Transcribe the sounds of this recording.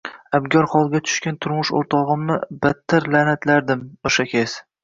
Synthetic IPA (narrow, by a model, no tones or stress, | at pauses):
abɡʲɒɾχɒlˠɡʲat̪ʰʊ̥ʃkʲant̪ʰʊɾmʊʃo̰ɾt̪ʰɒʁɨmnɪbat̪ʰːaɾlanat̪laɾd̪ɪmoʃakʲʰes